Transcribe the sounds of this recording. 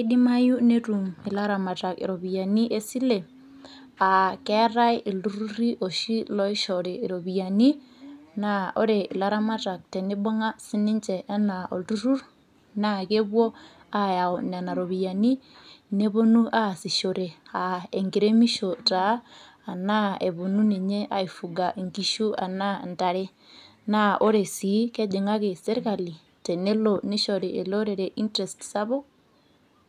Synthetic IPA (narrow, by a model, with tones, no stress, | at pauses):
i˦di˦ma˦ju˦ne˦ɾu˨mi˨la˦ɾa˨ma˨ta˨kḭ˨ɾo˨bi˨ja˨ni˦ʔe˦si˦le˨ | a˨kɛ˦ɾa˦jʔi˨ldu˦ɾu˦ɾi˦ʔɔ˨ʃi˦lɔ˦i˦ʃɔ˨ɾeː˨ɾo˨bi˨ja˨ni˦ | na˦ɔ̰˦ɾe˨i˨la˦ɾa˦ma˦ta˨k̚tɛ˨ni˦bɔ˦ŋa˦si˦ni˦nt͡ʃɛ˨ʔɛ˦na˨ɔ̰˨ldu˦ɾu˦ɾ | na˦ke˦bwɔ˦ | a˦˨ja˨ɔ˨nɛ˨na˨ɾo˨βi˨ja˨ni˦ne˦βo˦nu˦ʔa˦˨si˨ʃo˨ɾe˨a˨e˨ŋɡi˨ɾe˦mi˦ʃo˨ta˨˦ | a˨na˦e˨βo˨nu˦ne˨ɲe˦ʔa˦i˨fu˨ɡa˨ʔŋɡi˨ʃu˦a̰˨na˦nta˨ɾe˦ | na˦ʔo˦ɾe˨si˨˦kɛ˦d͡ʒe˨ŋa˦ke˨sɛ˦ɾka˨li˨ | tɛ˨ne˦lo˦ni˦ʃɔ˨ɾe˨ḛ˨lo˦ɾe˨ɾe˨ʔi˦ntɾɛ˨stsa˦βɔ˦